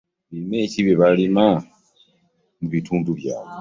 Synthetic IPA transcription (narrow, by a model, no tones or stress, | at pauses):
βime̞ːciβeβalima | muβitʰuːnduβja̰ːwe